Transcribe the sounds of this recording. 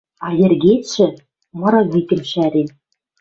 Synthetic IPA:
ɑjɘ̆rɡʲeɕɘ̆ | mɤ̆ɾɑit̪ʲɘ̆mʲɕæɾʲenʲ

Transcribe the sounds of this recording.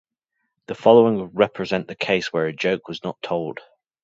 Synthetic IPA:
ðəfɒlˠoʊɪ̃ŋɹɛpʰɹ̥ɪzɛ̃nʔðəkʰeɪswə˞əd͡ʒoʊkwɒznətʰoʊlˠd̥

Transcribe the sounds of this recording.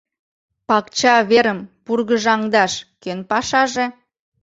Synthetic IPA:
pɑkt͡ɕɑβeɾəmpurɣəʒɑŋd̪ɑʃkønpɑʃɑʒe

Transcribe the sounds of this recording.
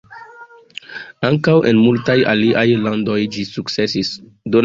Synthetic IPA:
aŋkawʔe̞nmultaja̰liʔajlando̞jd͡ʒisuk̚tse̞sis | don

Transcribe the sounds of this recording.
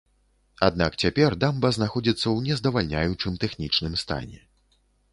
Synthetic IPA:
ad̪̚nakt͡sʲapʲɛrd̪ambɐznaxɔd͡zʲit̪sːɐwnʲɛzd̪ɐvalʲnʲajut͡ʂɨmt̪ɛxnʲit͡ʂnɨmst̪a̰nʲɛ̰

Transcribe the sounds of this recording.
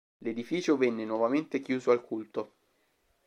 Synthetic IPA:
led̪ifiːt͡ʃovɛnːenwɔvament̪ekjuːzoalkʰult̪o

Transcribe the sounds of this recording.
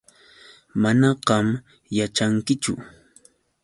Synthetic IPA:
manɑɢɑm | jat͡ʃaŋkɪt͡ʃʊ̰

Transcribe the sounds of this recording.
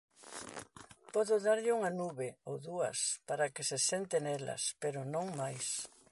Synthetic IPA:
pɔðʊðaɾʎɪuŋanuβeowðuɐ̰spaɾakɪsesent̪enɛlɐ̰speɾʊnõŋmajs

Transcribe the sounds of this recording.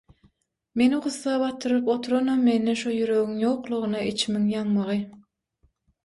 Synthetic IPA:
me̞niχuθːɑːβɑt̪ːɯɾɯpot̪ʰuɾonomːe̞nːeʃujyɾø̞ɣyŋjoːqlˠuʁɯnɑit͡ʃʰimiŋjɑŋmɑʁɯ

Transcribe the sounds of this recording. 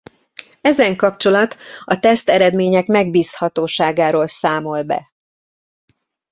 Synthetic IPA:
ɛzɛŋkɒp̚t͡ʃo̞lɒt̪ɒt̪ɛst̪ɛɾɛd̪meːɲɛkmɛɡ̚biːst̪hɒt̪oːʃaːɡaːɾoːlsaːmo̞lbɛ̰

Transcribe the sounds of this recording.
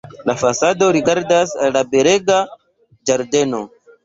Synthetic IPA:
lafasado̞ɾiɡaɾdasalːabeɾe̞ɡa | d͡ʒaɾde̞no̞

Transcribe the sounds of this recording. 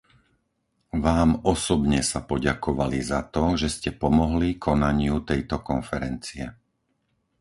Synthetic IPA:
ʋaːmɔsɔbɲɛsapɔɟakɔʋalizat̪ɔʒɛscɛpɔmɔɦlikʰɔnaɲɪut̪ɛjt̪ɔkɔnfɛɾɛnt͡siɛ

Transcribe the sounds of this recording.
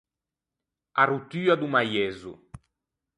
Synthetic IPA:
arut̪yːad̪umajɛzṵ

